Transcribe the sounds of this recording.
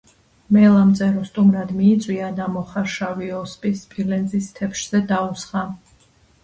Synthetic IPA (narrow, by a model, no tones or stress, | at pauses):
mɛlˠamt̪sʼɛɾɔst̪ʼumɾad̪miːt̪sʼwiad̪amɔχaɾʃaviɔspʼispʼilɛnzist̪ʰɛpʰʃz̥ɛd̪ausχa